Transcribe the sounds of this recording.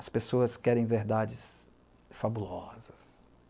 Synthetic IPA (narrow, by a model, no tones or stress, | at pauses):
ɐspesoɐskɛɾẽj̃veɾd̪ad͡ʒɪs | fabulɔzɐs